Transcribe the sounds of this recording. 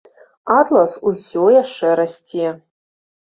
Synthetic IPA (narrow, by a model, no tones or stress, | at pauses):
at̪lɐsusʲojaʂɐɾɐsʲtʲʰiɛ